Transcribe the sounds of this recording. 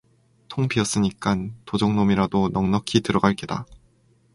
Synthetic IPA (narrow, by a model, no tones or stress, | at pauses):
tʰoŋpʰiʌs͈ɯɲik͈antod͡ʑʌŋnomiɾadonʌŋnʌkʰitɯɾʌɡaɭk͈eda̰